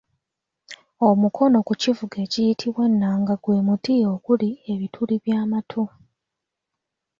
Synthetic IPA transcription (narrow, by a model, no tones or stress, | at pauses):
o̞mukʰo̞no̞kucivuɡe̞cijitʰiβwe̞nːaːŋɡaɡweːmutio̞ːkulie̞βitʰuliβjaːmatʰu